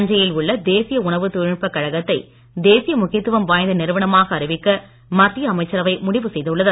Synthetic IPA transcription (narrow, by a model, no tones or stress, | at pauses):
ɐɲd͡ʒɐjɪlʊɭːɐd̪eːsɪjɐʊɳɐʋɯt̪ʊɻɪpːɐkːɐɻɐɣɐt̪ːɐɪ | d̪eːsɪjɐmʊɣɪjɐt̪ːɯʋɐmʋaːjnd̪ɐnɪɾɯʋɐɳɐmaːɣɐːɾɪʋɪkːɐ | mɐt̪rɪjɐɐmɐɪt͡ʃːɐɾɐʋɐɪmʊɽɪʋɯsɛjðɐɯɭːɐðɐ